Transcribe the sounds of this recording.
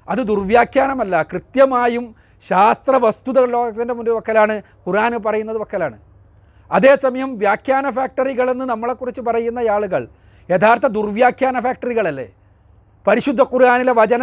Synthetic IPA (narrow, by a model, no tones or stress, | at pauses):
ɐðɨd̪urʋjaːkjaːnɐmɐlːɐkrɨt̪jɐmaːjum | ɕaːst̪rɐʋɐst̪uðɐlo̞ːɣɐt̪ːinde̞mundupɐkːɐlaːɳɨ | kuɾaːnɨp̬ɐrɐjunːɐðɨpɐkːɐlaːɳɨ | ɐðe̞ːsɐmɐjɐmʋjaːkʰjaːnɐfaːk̚ʈɐriɣɐɭe̞nːɨnɐmːɐɭekːurit͡ɕːɨpɐrɐjunːɐjaːɭuɣɐ̰ɭ | jet̪ʰaːrt̪ːɐd̪urʋjaːkʰjaːnɐfaːk̚ʈɐriɣɐɭɐlːe̞̰ː | pɐɾiɕud̪ʱːɐkuɾaːnileʋɐd͡ʑɐnɐ